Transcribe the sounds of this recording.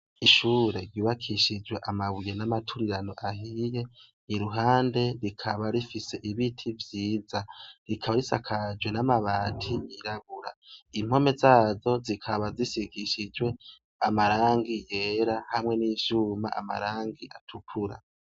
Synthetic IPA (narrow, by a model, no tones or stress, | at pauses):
iʃuːɾe̞ɾjuːβakʰiʃid͡ʒwe̞ʔamaβujenamatʰuɾiɾano̞ʔahije̞ | niɾuɦaːnde̞ɾikʰaβaɾifise̞ʔiβitʰivjiːzaɾikʰaβaɾisakʰad͡ʒwe̞namaβaːtʰiiɾaβuɾaim̥ho̞me̞zaːzo̞zikʰaβazisikiʃid͡ʒwe̞ | amaɾaːŋɡije̞ːɾahamŋe̞niʃuma̰a̰ma̰ɾaːŋɡiʔatʰukʰuɾa̰